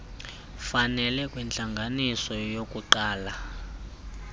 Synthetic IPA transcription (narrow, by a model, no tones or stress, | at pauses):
fanɛlɛkʼwɛnt͡ɬaŋɡʱanisɔjokʼuǃaːla